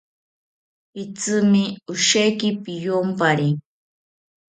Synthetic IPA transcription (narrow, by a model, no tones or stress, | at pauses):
pɪt͡sɨmɪʊʃajkɪpɪjompaɾi